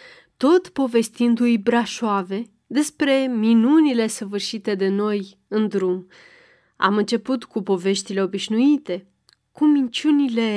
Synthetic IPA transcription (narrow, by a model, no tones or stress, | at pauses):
t̪o̞t̪po̞ve̞st̪ind̪ujbɾaʃoave̞ | d̪e̞spɾe̞minunile̞səvɨrʃit̪e̞d̪e̞no̞j | ɨnd̪ɾum | a̰mɨnt͡ʃe̞put̪kupo̞ve̞ʃt̪ile̞o̞biʃnuit̪e̞ | kumint͡ʃunile̞